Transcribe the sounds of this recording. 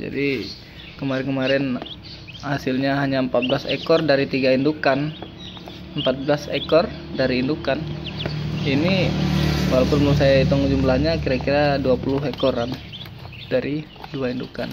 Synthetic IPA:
d͡ʒa̰di | kəmaɾɛnkəmaɾɛn | hasɪlɲaɦaɲaəmpat̪̚blasḛkɔrdaɾit̪iɡaindukan | əmpat̪̚blasekɔrdaɾiːndukan | ini | walawpʊnblusajait̪ɔŋd͡ʒumblahɲakiɾakiɾaduapulʊɦekɔɾan | d̥aɾi | duainduka̰n

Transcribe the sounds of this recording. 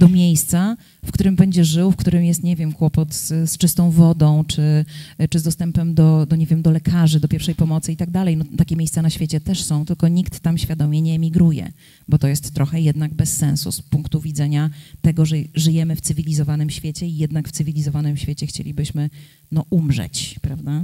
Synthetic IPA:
d̪̥ɔmʲjejst̪sa | fkt̪uɾɘmbɛɲd͡ʑɛʐɘwfkt̪uɾɘmjɛst̪ɲɛvʲjɛmkwɔpɔt̪sst͡ʂɘst̪ɔ̃w̃vɔd̪ɔ̃w̃t͡ʂɘt͡ʂɨzd̪ɔst̪ɛmpɛmd̪ɔd̪ɔɲɛvʲjɛmd̪ɔlɛkʰaʐɘd̪ɔpʲjɛɾfʂɛjpɔmɔt̪sɘit̪aɡ̚d̪alɛjnɔt̪akʲɛmʲejst̪sanaɕfʲjet͡ɕɛt̪ɛʂsɔ̃w̃t̪ɘlkɔɲikt̪ːamɕfʲjad̪ɔmʲjɛɲɛːmʲiɡɾujɛ̰ | bɔt̪ɔjɛst̪ːɾɔxɛjɛd̪naɡ̚bɛsːɛnsṵspuŋkt̪uvʲid̪zɛɲat̪ɛɡɔʐɛʐɘjɛmɘft̪sɘvʲilʲizɔvanɘmɕfʲjet͡ɕɛijɛd̪nakft̪sɘvʲilʲizɔvanɘmɕfʲet͡ɕɛxt͡ɕḛlʲibɘɕmɘ | nɔʔumʐɛ̰t͡ɕpɾavd̪a

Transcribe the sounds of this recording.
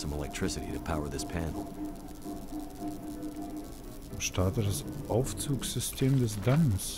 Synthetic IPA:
sʌ̃məlɛ̰k̚tʰɹ̥ɪsɨɾḭɾɨpʰaʊə˞ðɪspʰæ̃nl̩ˠ | oʃtʰaɐtədasʔaʊft͡suːksz̥ʏstʰeːmdɛs̬dans

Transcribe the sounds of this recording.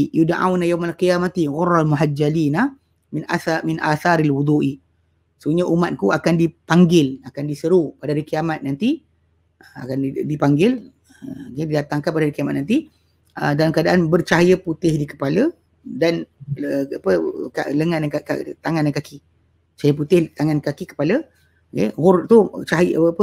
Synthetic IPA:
judanʔa̰wnajawmalkijamat̪iɣʊralmuɦad͡ʒalinah | mɪnaamɪnʔa̰θaɾalwud̪uʔi | səuɲəʔumat̪̚kuakandipaŋɡɪlakandisəɾupadaaɾikəjamat̪̚nant̪i | əa̰kandipaŋɡɪl | əɡedidat̪aŋkanpadaɾikiamat̪̚nant̪i | ədalamkadaʔanbərt͡ʃaɦjəput̪ɪhdikə̥palə | danəapəka̰ləŋananaka̰t̪aŋandankaki | t͡ʃajəput̪ɪht̪aŋankakikə̥palə | ɡehʊɾt̪ut͡ʃaɦjapə

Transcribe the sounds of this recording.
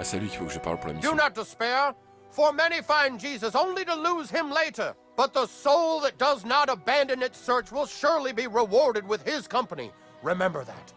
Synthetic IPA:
sɛliki̥fokəʒəpa̰lpuʁla̰mdɨnət̚d̥ɨspɛɹ | fə˞mɛñifãɪ̃nd͡ʒizəsõʊ̃nliɾəluz̥ɪ̃mleɪɾə˞ | b̥ʌt̪̚ðəsoʊlˠðət̚d̥ʌznəɾəbæ̃ndɨ̃nɨtsɜ˞t͡ʃwɪlˠʃʊɹlibiɹɪwɔɹɾɨd̚wɪð̥ɪz̥kʰʌ̃mpənḭ | ɹɪmɛ̃mbə˞ðæ̰t̚

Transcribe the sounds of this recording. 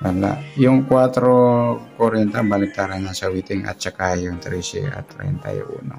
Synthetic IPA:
ala̰jɔŋkuat̪ɾokoɾent̪ambanɪt̪aɾanansawit̪ɪŋa̰t̪̚t͡ʃəkajjɔŋt̪əɾisḭa̰t̪ɾḛnt̪a̰jo̰ṵnɔ

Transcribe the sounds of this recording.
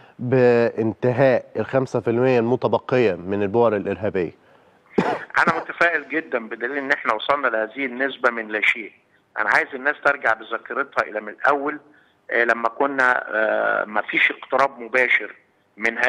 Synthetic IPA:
beʔɪnt̪ɪɦæːʔelxæmsæfelmejːælmot̪æbɑqːejæmenelbowɑɾˤelʔeɾɦæːbejːæ | ʔæ̰næmot̪æfæːʔelɡed̪ːænbed̪æliːlʔenːʔeħnæwɑsˤɑlnɑlehæːzɪhenːesbæmenelʔæʃeːʔ | ʔæ̰næʕaːjezenːæːst̪eɾˤɡaʕbezækːɑɾet̪hɑʔḛlæmelʔæwːæl | læmːækonːæ̰ | mæfiːʃeqt̪ɨɾɑːbmobæːʃeɾ | menhæ

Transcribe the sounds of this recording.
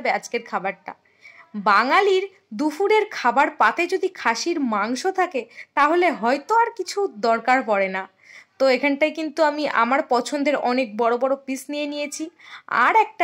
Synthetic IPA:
bead͡ʑkeɾkʰabaɾʈa̰ | baŋaliɾ | d̪ufuɾeɾkʰabaɾpat̪ed͡ʑod̪ikʰaʃiɾmaŋʃot̪ʰaket̪aɦoleɦɔjt̪oaɾkit͡ɕʰud̪ɔɾkaɾpɔɽena | t̪oekʰanʈajkint̪uamiʔa̰maɾpɔt͡ɕʰond̪eɾɔnek̚bɔɽobɔɽopisnijenijet͡ɕʰia̰ɾɛk̚ʈ

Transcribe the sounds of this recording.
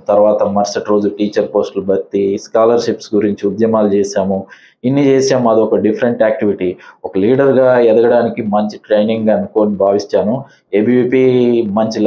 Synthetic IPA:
t̪ɐɾʋaːt̪ɐmɐɾsɐʈɾo̞ːd͡ʒuʈiːt͡ʃɐɾpo̞ːsʈlubɐt̪ːiskaːlɐɾʃipsɡuɾiɲt͡ʃiud̪jɐmaːlut͡ʃeːʃaːmu | inːit͡ʃeːsaːmuɐd̪ɔkɐɖipʰɐɾeɳʈaːk̚ʈiʋiʈiːɔkɐliːɖɐɾɡaːɛd̪ɐɡɐɽaːnikimɐɲt͡ʃi̥ʈɾejniŋɡɐnukoːnibʱaːʋit͡ʃːaːnu | ebiiːpiːmɐɲt͡ʃil

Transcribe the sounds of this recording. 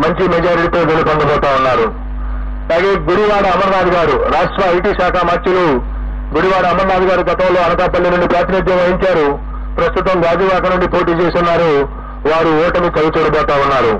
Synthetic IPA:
mɐɲt͡ʃimɛd͡ʒaːɾiʈit̪oːd̪elɐpɐnd̪ɐbɔːt̪aːunːaːɾu | ɐlaːɡeːɡuɽiʋaːɽɐɐmɐɾnaːd̪iɡaːɾuɾaːʂʈɾɐɐjʈiːʃaːkʰɐmɐt͡ʃːilu | ɡuɽiʋaːɽɐɐmɐɾnaːd̪iɡaːɾuɡɐt̪ɐmlo̞ːɐnɐkaːp̪ɐlːinuɳɖipɾaːt̪ʰinɐd̪jɐmɐjiɲt͡ʃaːɾu | pɾɐst̪ut̪ɐmɡaːd͡ʒ̪iʋaːkɐnuɳɖipo̞ːʈiːt͡ʃeːsinːaːɾu | ʋaːɾuɔːʈɐmut͡ʃɐlut͡ʃuːɽɐbɔːt̪aːunːaːɾu

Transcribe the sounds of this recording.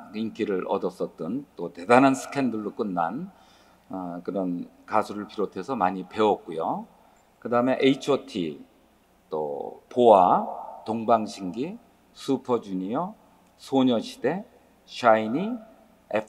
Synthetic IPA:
iŋkʰiɾɯɾʔʌdʌs͈ʌt̚t͈ɯnt͈ote̞danansʰɯ̥kʰe̞ndɯɭːok͈ɯnːan | kɯɾʌn | kasʰuɾɯɭpiɾotʰe̞sʰʌmaɲipe̞wʌk̚k͈ujo | kɯdaɯme̞ʔeit͡ɕʰʌtʰḭ | t͈o̰poatoŋbaŋɕʰiŋɡi | sʰupʰʌd͡ʑuɲiʌ | sʰoɲʌɕʰi̥d̥e̞ | ɕʰaini | epʰ

